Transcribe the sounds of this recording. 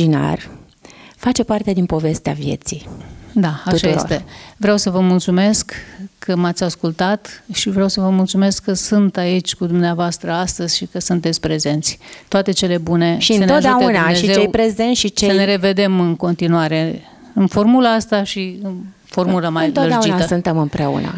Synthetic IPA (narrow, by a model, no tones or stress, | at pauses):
d͡ʒina̰r | fat͡ʃe̞part̪ed̪inpo̞ve̞st̪eavjḛt̪sid̪aauʃajeot̪evɾeawsəvəmult̪sume̞skːəmat̪sʲaskult̪at̪ʃivɾeawsəvəmult̪sume̞skːəsunt̪ait͡ʃʲkud̪umneavoast̪ɾəast̪əzʲʃikəsunt̪et̪sʲpɾe̞ze̞nt̪sʲt̪oat̪e̞t͡ʃe̞le̞bune̞ʃʃiɨnənoaʒd̪eaeunanʃeizet͡ʃewejpɾe̞zenʃit͡ʃeəne̞ɾe̞ve̞d̪e̞mɨnko̞nt̪inuaɾe̞ | ɨnfo̞rmulaast̪aʃiɨn | fo̞rmuləmaj̪loɨɾead͡ʒiaəsɨnt̪emɨmpɾeṵna̰